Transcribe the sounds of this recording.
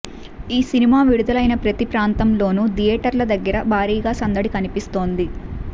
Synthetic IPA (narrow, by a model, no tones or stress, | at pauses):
iːsinimaːʋiɽud̪ɐlɐjnɐpɾɐt̪ipɾaːnt̪ɐmlo̞ːnud̪ijɛːʈɐɾlɐd̪ɐɡːɐɾɐbʱaːɾiːɡaːsɐnd̪ɐɽikɐnipist̪o̞ːnd̪i